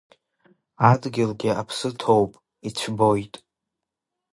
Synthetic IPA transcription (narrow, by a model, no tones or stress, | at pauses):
adɡʲɪlɡʲɪapʰsɨtʰo̞wpʼ | it͡ɕʷʰbo̞jtʼ